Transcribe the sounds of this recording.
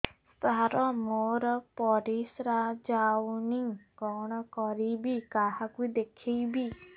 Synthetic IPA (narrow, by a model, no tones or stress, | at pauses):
st̪aɾɔmoɾɔpɔɾisɾad͡ʒawniɡɔɽ̃ɔkɔɾibikaɦakud̪ekʰijbi